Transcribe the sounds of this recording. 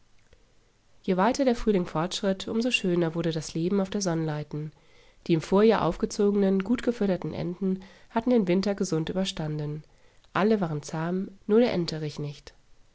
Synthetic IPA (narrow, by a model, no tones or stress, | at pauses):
jeːvaɪtɐdeːɐfʁ̥yːlɪŋfɔɐtʃʁ̥ɪtʰʔʊmzoʃøːnɐvʊɐdədasleːbm̩aʊfd̥eːɐzɔnənlaɪtn̩ | d̥iːɪmfoːɐjaːɐʔa̰ʊfɡ̥ət͡soːɡənənɡuːtɡ̥əfʏɐtɐtn̩ʔɛ̰ndn̩hatn̩deːnvɪntɐɡəzʊntʔyːbɐʃtandn̩ | ʔaləvaːʁənt͡saːmnuːɐdeːɐʔɛntʰəʁɪçnɪçt